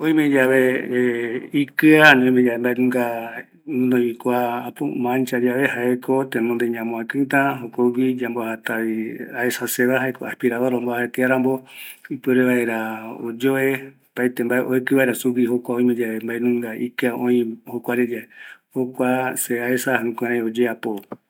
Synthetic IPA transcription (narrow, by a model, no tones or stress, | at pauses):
oĩmẽd͡ʒaβe | ikɨanõmed͡ʒaembaẽnũŋɡa | nũnõikʷaːpo̰mãnt͡ʃad͡ʒaβe̞haekʰot̪enõnd̪eɲãmõãkɨ̃t̪ãɦokoɡid͡ʒambohat̪aβiaesaseβaɦaeko̰a̰spiɾaβaɾõmbaaet̪eaɾãmboipɨɾeβaeɾao̰d͡ʒoe | pait̪embaeʔoekɨβaeɾasuɡihokʷaoĩmẽd͡ʒaembaenũŋɡaʔikɨaõĩhokʷaɾed͡ʒaehokʷaseaesahãkʷẽɾ̃ãj̃od͡ʒeapo